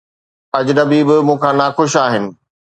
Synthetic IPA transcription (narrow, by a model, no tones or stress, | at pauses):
ɐd͡ʑnɐbiːbɪmũːkʰãːnaːxʊʃaːɦɪnɪ̆